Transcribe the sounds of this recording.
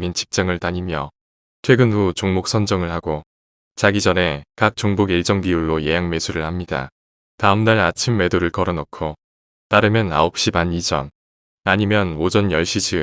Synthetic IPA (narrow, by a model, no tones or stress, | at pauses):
mint͡ɕʰi̥p̚t͡ɕ͈aŋɯɭtaɲimjʌ | tʰwe̞ɡɯnut͡ɕoŋmok̚s͈ʰʌnd͡ʑʌŋɯɭhaɡo | t͡ɕaɡid͡ʑʌne̞kak̚t͡ɕ͈oŋbuɡiɭt͡ɕ͈ʌŋbiuɭːojejaŋme̞sʰuɾɯɭhamɲida̰ | taɯmtaɾat͡ɕʰimːe̞doɾɯɭkʌɾʌnʌkʰo | taɾɯmjʌna̰op̚ɕ͈imanid͡ʑʌn | aɲimjʌnod͡ʑʌnjʌɭɕ͈id͡ʑi